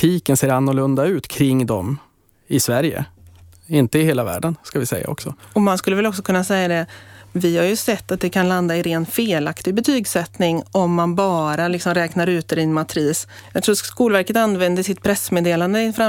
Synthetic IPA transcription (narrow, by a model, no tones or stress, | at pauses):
t̪ʰiːkənseːɾanːʊlɵnd̪aʉ̟ːt̪kʰɾɪŋːd̪ɔ̰m | ɪsvæɾjə̰ | ɪnt̪əɪheːlavæ̰ːɖənskavɪsɛ̰jːa̰ɔ̰ksɔɔmanskɵlːəvɛlɔksɔkʰɵnːasɛjːad̪ɛvɪhaɾjɵsɛt̪ːat̪̚d̪ɛkʰanland̪aɪɾeːnt̪feːlakt̪ɪɡbɛt̪ʰyːɡsɛt̪nɪŋɔmːanbɑːɾalɪksɔmɾɛːknaɾʉ̟ːt̪̚ɛɾɪɛnmat̪ʰɾiːs | jɑɡt̪ʰɾuːkuːlvæɾkət̪anːvɛnd̪əsɪt̪pʰɾɛsːmeːd̪eːland̪əɪnfɾa